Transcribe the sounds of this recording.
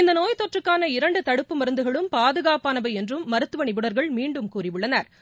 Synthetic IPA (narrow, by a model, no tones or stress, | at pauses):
ɪnd̪ɐnoːjt̪ɔʈrɯkːaːnɐɪɾɐɳɖɯt̪ɐɽɯpːɯmɐɾɯnd̪ɯɣɐɭɯmpaːðɯɣaːpaːnɐʋɐɛndrɯmːɐɾɯt̪ːɯʋɐɳɪʋɯɽɐɾɣɐɭmiːɳɖɯmkuːrɪʋɯɭːɐnaːɾ